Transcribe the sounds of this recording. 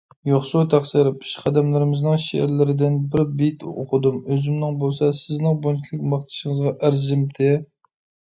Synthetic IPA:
joχsut̪ʰæχsɨɾɪpʰi̥ʃqʰɑd̪ɛmlɪɾɪmɪznɨŋʃḛʔɪ̰ɾlɪɾɪd̪ɪnbɪɾbit̪o̰qʰʊd̪umøzɪmnɪŋbolˠsɑsɪznɪŋbonkʲʰilˠɪk̚ʲmɑχt̪ʰɨ̥ʃɪŋɨzʁɑʔæɾzɪmt̪ʰɪ

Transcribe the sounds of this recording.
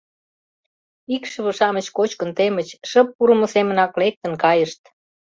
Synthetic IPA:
ikʃəβə̆ʃɑmət͡ɕkot͡ɕkənt̪emət͡ɕʃəpːuɾəmə̆semənɑklek̚t̪ə̆nkɑjəʃt̪

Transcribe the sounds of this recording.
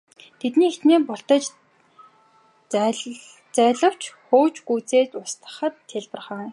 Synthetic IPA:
t̪ʰet̪niːet̪neːpɔɬt̪ə̆t͡ɕ | t͡sæːɮə̆w̥t͡ɕχoːt͡ɕɡuːt͡seːt̪ʊst̪ə̥̆χə̆t̪ʰːeɮpə̆rχə̆ːŋ

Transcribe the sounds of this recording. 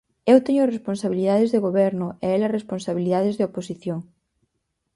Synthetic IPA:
ewt̪ɛɲʊresponsaβiliðaðezðeɣoβɛɾnʊeɛlɐresponsaβiliðaðɪzðeoposiθjoŋ

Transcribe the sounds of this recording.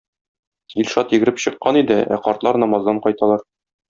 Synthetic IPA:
ilʲʃɑt̪jɘ̆ɡɘ̆ɾɘpɕɤ̆qːɑnid̪ɘæ̰qɒɾt̪lˠɑɾnɒmɑzd̪ɑɴqɒjt̪ɑlˠɑɾ

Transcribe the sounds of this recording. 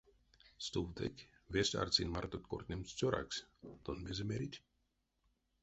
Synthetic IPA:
st̪uwt̪ḛkʲvʲesʲt̪ʲa̰rt͡sinʲmart̪ot̪ʲkort̪ʲnʲemsʲt͡sʲoɾa̰ksʲt̪onmʲezʲemʲeɾʲit̪ʲ

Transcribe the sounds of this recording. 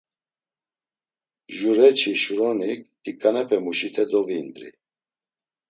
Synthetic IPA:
ʒuɾɛt͡ʃʰiʃuɾɔnik̪ʼ | ikʼanɛpʰɛmuʃit̪ʰɛd̪ɔviːnd̪ɾḭ

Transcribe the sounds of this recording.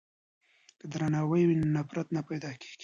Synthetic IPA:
kəd̪ɾanɑwəjwinnapɾat̪napajd̪ɑke̥ɡ̥i

